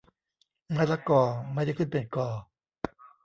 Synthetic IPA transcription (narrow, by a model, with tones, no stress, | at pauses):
ŋa˧˥˩la˦˥kɔː˨˩ma˥˩jda˥˩jkʰɯ˥˩npe˨˩nkɔː˨˩